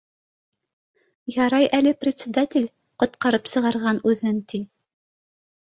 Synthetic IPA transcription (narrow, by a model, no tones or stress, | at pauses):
jɑɾɑjʔælɘprʲɪt̪sʲɪd̪at̪ʲɪlʲ | qŏt̪qɑɾɤpsɤ̆ʁɑɾʁɑnʉðɘnt̪i